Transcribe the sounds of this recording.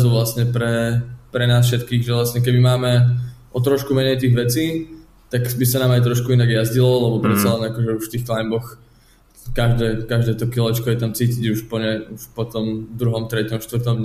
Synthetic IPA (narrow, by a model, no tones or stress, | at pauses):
zuʋlasɲɛpɾɛpɾɛnaːs̬fʃɛt̪kiːɣʒɛʋlasɲɛk̬ɛbimaːmɛ | ɔt̪ɾɔʃkumɛɲɛjt̪iːɣʋɛt͡siː | t̪akbisanaːmajt̪ɾɔʃkuinaɡjazɟilɔlɛbɔpɾɛt̪t͡salɛnakɔʒɛuʃft̪iːxklajmbɔx | kaʒd̪ɛːkaʒd̪ɛːt̪ɔkilɔɛt͡ʃkɔjɛt̪amt͡siːciɟuʃpɔɲɛuʃpɔt̪ɔmd̪ɾuɦɔmt̪ɾɛcɔmʃt̪ʋr̩t̪ɔmdɲ